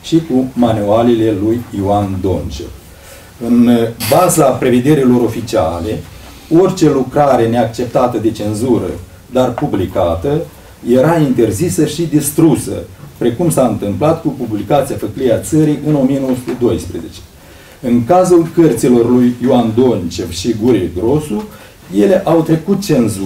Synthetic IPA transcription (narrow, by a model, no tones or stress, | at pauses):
ʃikumanualile̞lujiuand̪o̞nt͡ʃḛ | ɨnbazapɾe̞ve̞d̪e̞ɾilo̞ɾo̞fit͡ʃia̰le̞ | o̞rʲt͡ʃe̞lukɾaɾe̞ne̞ak̚t͡ʃe̞p̚t̪at̪əd̪e̞t͡ʃe̞nzuɾə̰ | d̪arpublikat̪ə | je̞ɾaint̪e̞rzisəʃid̪ist̪ɾusə̰pɾe̞kumsaɨnt̪ɨmplat̪kupublikat̪siafəklieat̪səɾiʔɨno̞mijenowəsu̥t̪ed̪o̞jspɾe̞ze̞t͡ʃe̥ | ɨŋkazulkərt̪silo̞rlujːuand̪o̞nt͡ʃe̞vʃiɡuɾieɡɾo̞su | je̞le̞ʔawt̪ɾe̞kut̪̚t͡ʃe̞nzu